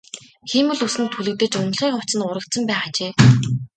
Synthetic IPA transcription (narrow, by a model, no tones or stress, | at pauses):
xiːmɘ̆ɮusɘ̆nt̪ʰuɮɘ̆k̚t̪ɘ̆t͡ɕʊn̆ɮχiːŋχʊt͡sə̆nʊɾə̆k̚t̪sə̆mpæːχat͡ɕeː